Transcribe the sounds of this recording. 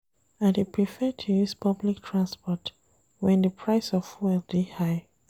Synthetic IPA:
ãnhipɹifɛtʰujuspʰʌbliktʰɹãnspɔt | wɛ̃ndəpʰɹaɪsɔfwɛldihaɪ

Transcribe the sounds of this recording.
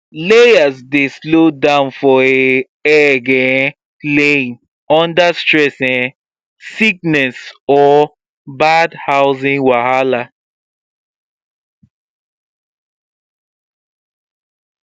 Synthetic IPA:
leasdeslodãʊ̃nfɔe | ɛɡɛ̃ | lẽn | ɔ̃ndastɹɛsɛ̃ | sik̚nɛsɔ | badhaʊzĩŋwahala

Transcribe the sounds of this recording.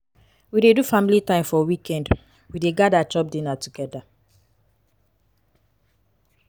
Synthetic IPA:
widedufamilitãɪ̃mfɔwikɛ̃nd | wideɡadat͡ʃɔp̚dinatuɡɛda

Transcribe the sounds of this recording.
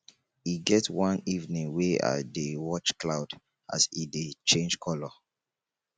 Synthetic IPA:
iɡɛtwãnivnĩŋwea̰dewɔt͡ʃklaʊd | a̰sidet͡ʃẽnd͡ʒkʰɔlɔ

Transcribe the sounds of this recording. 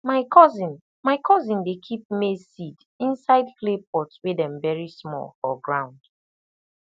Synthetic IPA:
maɪkʰɔzĩn | maɪkʰɔzĩndekʰip̚mesid | ĩnsaɪdklep̚ɔtswedɛ̃mvɛɹismɔ̰lfɔɡɹãʊ̃nd̥

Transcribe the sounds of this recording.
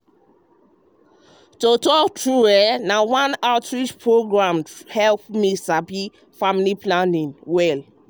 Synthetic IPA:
totɔktɹuwɛnawãnaʊtɹit͡ʃpɹoɡɹãmhɛlpmisapi | familiplãnĩnwɛl

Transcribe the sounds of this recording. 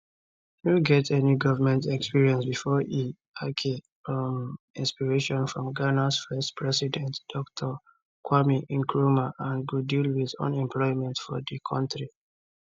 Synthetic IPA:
nuɡɛtʰɛniɡɔvəmɛ̃ntɛkspiɹiɛ̃nsbifɔi | akʰi | mĩnspiɹeʃɔ̃nfɹɔ̃mɡanasfɜstpʰɹɛsidɛ̃ntd̥ɔktʰɔ | kwamiʔĩnkʰɹumaʔãnɡudilwiðõ̰nɛ̃mpʰlɔɪmɛ̃ntfɔ̰ðəkʰɔ̃ntɹi

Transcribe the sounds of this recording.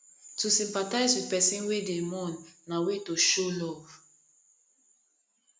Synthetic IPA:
tusĩmpataɪzwipɛsĩnwedemɔ̃nːawetoʃolɔv

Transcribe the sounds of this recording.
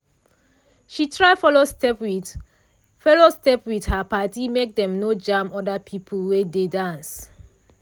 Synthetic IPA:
ʃitʰɹaɪfɔlostɛpwi | fɛlostɛpwid̥hapatimek̚dɛ̃mnod͡ʒãmɔdapʰipʰəlwededãns

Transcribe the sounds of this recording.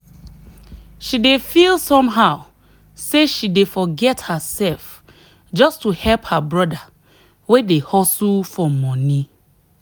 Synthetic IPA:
ʃidefilˠsɔ̃mɦaʊ | seʃidefɔɡɛthəsɛlf | d͡ʒɔstuhɛlphabɹɔda | wedehɔsufɔmɔ̃ni

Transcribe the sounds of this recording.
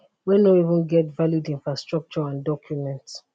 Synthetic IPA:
wɛnoivɪ̃nɡɛtvalidĩnfɹastɹɔk̚t͡ʃɔãndɔkʰjumɛ̃nt

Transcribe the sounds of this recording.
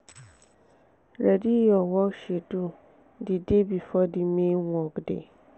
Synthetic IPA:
ɾɛdijɔwɔʃedu | didebifɔdimẽwɔkdḛ

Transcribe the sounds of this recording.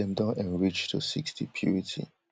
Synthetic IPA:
ɛ̃ndəʔɛ̃nɹit͡ʃdəsḭkstipʰjṵɹitʰḭ

